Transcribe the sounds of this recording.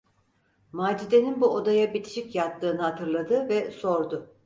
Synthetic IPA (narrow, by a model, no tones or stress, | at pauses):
maːd͡ʒid̪eninbuod̪ajabit̪ʰi̥ʃicjat̪ʰːɯːnɯɦat̪ʰɯɾlˠad̪ɯvɛso̞ɾd̪ʊ